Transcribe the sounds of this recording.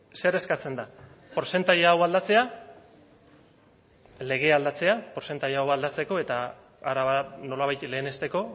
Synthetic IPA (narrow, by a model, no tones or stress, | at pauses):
se̞ɾe̞skat͡se̞nd̪a | poɾse̞nt̪aʎːwald̪at͡se̞a | le̞ɣ̞e̞ald̪at͡se̞apoɾse̞nt̪aʎeawald̪at͡se̞ko̞e̞t̪a | aɾaβano̞laβ̞ajt̪le̞ːne̞st̪e̞ko̞